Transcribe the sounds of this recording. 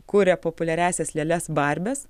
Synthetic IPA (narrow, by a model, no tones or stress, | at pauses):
kuɾʲɛpopʊlʲɛɾʲæˑːsʲɛslʲeːlʲɛsbɐˑɾʲbʲɛs